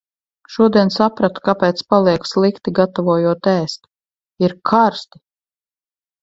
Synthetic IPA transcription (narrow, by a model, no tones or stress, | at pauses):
ʃuɔd̪iɛnsapɾat̪u̥kapɛːt̪spalˠiɛkslˠikt̪iɡat̪avuɔjuɔt̪æːst̪u̥ | iɾkʰaɾst̪i̥